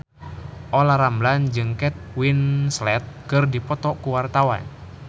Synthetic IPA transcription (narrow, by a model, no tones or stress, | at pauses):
ʔolaɾambland͡ʒɨŋkɛt̪̚winslɛt̪̚kɨrdipɔt̪ɔkuwart̪awa̰n